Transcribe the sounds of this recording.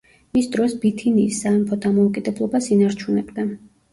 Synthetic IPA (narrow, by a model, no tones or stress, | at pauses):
misd̪ɾɔsbit̪ʰiniːsːaɛmpʰɔd̪amɔukʼid̪ɛblˠɔbasinaɾt͡ʃʰunɛbd̪a